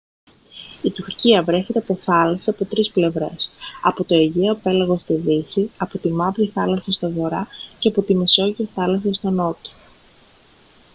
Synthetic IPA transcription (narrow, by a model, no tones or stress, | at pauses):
it̪uɾciɐvɾe̞çe̞t̪eɐpo̞θɐlɐseɐpo̞t̪ɾisple̞vɾe̞̰sɐ̰po̞t̪o̞eʝeope̞lɐɣo̞st̪iðisiɐpo̞t̪imɐvɾiθɐlɐsɐst̪oɣo̞ɾɐceɐpo̞t̪ime̞so̞ʝiɐθɐlɐs̬ɐst̪o̞no̞t̪o̥